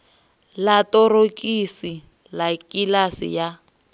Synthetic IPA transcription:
latɔrokʼisi | lakʼilasḭja

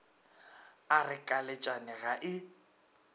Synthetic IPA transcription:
arɪkʼalet͡ʃʼanɪɣaʔɪ

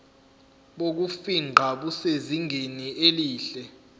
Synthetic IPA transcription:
ɓok̬ufiŋ͡ǃʱaɓuseziŋʱenieliːɬɛ

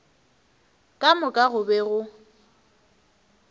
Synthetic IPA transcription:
kʼamʊkʼaɣʊbɛɣʊ

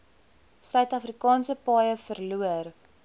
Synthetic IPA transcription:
sœɥtɐfrikɑːnsəpɑːjəfərluər

